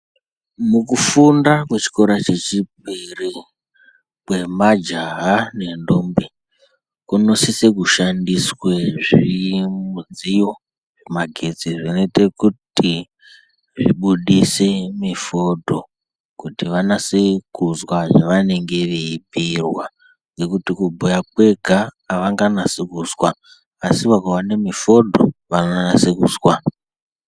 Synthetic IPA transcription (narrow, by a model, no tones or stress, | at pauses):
mukufundakwe̞t͡ʃi̥koɾat͡ʃe̞t͡ʃib̚ʱiri | kwe̞mad͡ʒaɦane̞ndombi | kuno̞sisekuʃandisweʐimuzijo̞ | ʐe̞maɡʱe̞d͡ziʐino̞ite̞kuti | ʐiɓuɗise̞mifo̞dʱo̞ | kutiʋanasekuzwaʐaʋane̞ŋɡe̞ʋeibʱirwa | ŋɡe̞kutikubʱujak̚we̞ɡʱa | ʋaŋɡanasikuzwaː | siʋakawanemifo̞dʱo̞̰ʋananasekuzwa